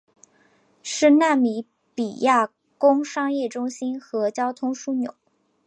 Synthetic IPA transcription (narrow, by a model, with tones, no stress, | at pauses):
ʂɻ̩˥˧na˥˩mi˧˥ | pi˨˩ja˥˩ | kʊ˥ŋʂɑ˥ŋjɛ˥˩ʈ͡ʂʊ˥ŋɕi˥nxɤ˧˥t͡ɕjɑ˥ʊt̪ʰʊ˥ŋʂu˥˩njo̰˨˩˦